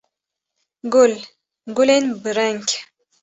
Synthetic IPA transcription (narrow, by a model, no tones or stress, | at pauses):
ɡul | ɡulenbɨɾaŋkʲ